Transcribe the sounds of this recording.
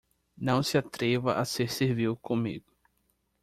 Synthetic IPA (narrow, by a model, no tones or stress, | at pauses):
nɐ̃w̃sɪat̪ɾevɐʔaseɾseɾviwkõmḭɡʊ